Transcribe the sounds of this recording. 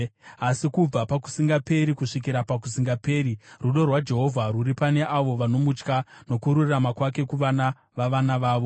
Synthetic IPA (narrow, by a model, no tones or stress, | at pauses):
asikub͡vapaku̥siŋɡape̞ɾikuʂik̬iɾapakus̬iŋɡape̞ːɾiruɗo̞rwad͡ʒe̞ɦo̞vʱaruripane̞ʔaʋo̞ʋano̞mut͡ʃkano̞kuɾuramakwake̞kuʋana | ʋaʋanaʋaːʋo̞